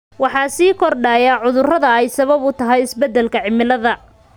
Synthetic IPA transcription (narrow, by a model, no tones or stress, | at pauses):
wɑħɑːsiːkʰɔrɖaːjaːʕʊðʊrɐðɐɛjsɐβɐβʊt̪ʰɐɦɛjɪsbɛd̪ːɛlkʰɐʕɪmɪlɐðɐ